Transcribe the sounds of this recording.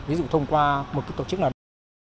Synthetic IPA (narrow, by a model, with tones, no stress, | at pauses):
vi˨˦zṵ˧˨t̪ʰə˧wŋ͡mkwaː˧mo˨˩kːa˨˦t̪o˨˩t͡ɕɨ˦˥k̚nːa˨˩